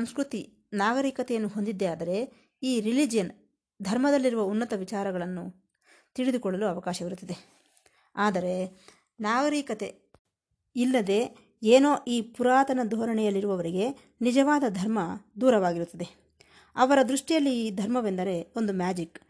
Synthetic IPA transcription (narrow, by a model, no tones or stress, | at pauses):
sɐmskɾut̪i | naːɡɐɾiːkɐt̪ɛjɐnːuɦo̞nd̪id̪ːeaːd̪ɐɾe̞ | iːɾilid͡ʒijɐn | d̪ʱɐɾmɐd̪ɐlːiɾuʋɐunːɐt̪ɐʋit͡ʃaːɾɐɡɐɭɐnːu | t̪iɽid̪ukɔɭːɐluɐʋɐkaːʃɐʋiɾut̪ːɐd̪e̞ | aːd̪ɐɾe̞ | naːɡɐɾiːkɐt̪e̞ | ilːɐd̪e̞ | eːno̞ːʔiːpuɾaːt̪ɐnɐd̪oːɾɐɳɛjɐlːiɾuʋɐʋɐɾiɡe̞ | nid͡ʒɐʋaːd̪ɐd̪ʱɐɾmɐd̪uːɾɐʋaːɡiɾut̪ːɐd̪e̞ | ɐʋɐɾɐd̪ɾuʂʈijɐlːid̪ʱɐɾmɐʋend̪ɐɾe̞o̞nd̪umjaːd͡ʒik